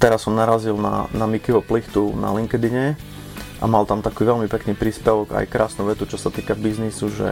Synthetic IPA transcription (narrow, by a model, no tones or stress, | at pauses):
t̪ɛɾasːɔmnaɾazilna̰namikiʋɔplixt̪una̰liŋkɛd̪iɲɛ | ʔa̰malt̪amt̪akuːʋɛlmipɛkniːpɾiːspɛʋɔɡa̰jkɾaːsnuʋɛt̪ut͡ʃɔsat̪iːkabiznisuʒɛ̰